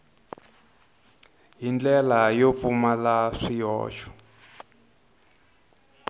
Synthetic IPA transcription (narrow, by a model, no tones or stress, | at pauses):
ɦind͡ɮɛlajop̪fumalaʂijɔ̰ːt͡ʃɔ̥